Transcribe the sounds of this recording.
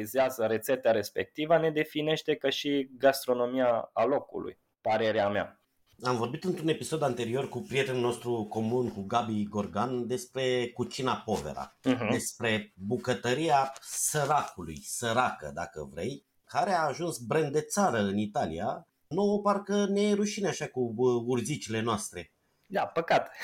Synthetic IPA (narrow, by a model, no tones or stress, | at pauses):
izeazəɾe̞t̪set̪eaɾe̞spe̞̰k̚t̪ivane̞d̪e̞fine̞ʃt̪e̞kəʃiɡast̪ɾo̞no̞miaːlo̞kṵlṵj | pəɾe̞ɾeamea̰ | amvo̞rbit̪ɨnt̪ɾune̞piso̞d̪ant̪e̞ɾio̞rkupɾije̞t̪e̞nulno̞st̪ɾuko̞munkuɡabiɡo̞rɡand̪e̞spɾe̞kut͡ʃinapo̞vḛɾa̰ɦd̪e̞spɾe̞bukət̪əɾiasəɾakulṵjsəɾakə̰d̪a̰kə̰vɾe̞̰j | kaɾeaːʒunsbɾend̪d̪e̞t̪saɾəɨnit̪alḭja̰ | nowoparkəneɾuʃineaʃakuurzit͡ʃile̞noast̪ɾe̞ | d̪apəkat̪